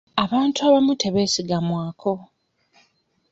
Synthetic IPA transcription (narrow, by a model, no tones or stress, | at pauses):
aβaːntuaːβamutʰe̞βe̞ːsiɡamwaːkʰo̞